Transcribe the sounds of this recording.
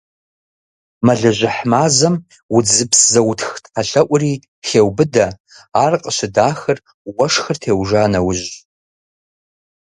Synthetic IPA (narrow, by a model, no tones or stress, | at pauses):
maɮɐʒʷɪħmaːzɐm | wʊd͡zɨpʰszɐwtʰxtħʰaɬɐʔʷʼri | xewbɨdaː | rqʼəʃʷadaːxɨr | wɐʂxɨrtʰeːwʐaːnɐwʊʒʷ